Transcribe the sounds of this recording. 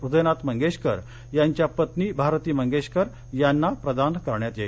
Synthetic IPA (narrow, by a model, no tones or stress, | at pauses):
ɾud̪əjnat̪məŋɡeɕkəɾ | jaɲt͡ɕjapət̪niːbʱaɾt̪iːməŋɡeɕkəɾ | janːapɾəd̪ankəɾɳjat̪je